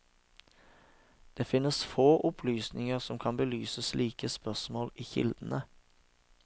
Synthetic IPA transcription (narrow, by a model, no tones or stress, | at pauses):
d̪̥eːfɪnəsfoːʔʊpʰlyːsnɪŋəʁsɔmkʰɑnbəlyːsəsliːkəspœʁsmoːliːçɪ̰ld̪ən̩ə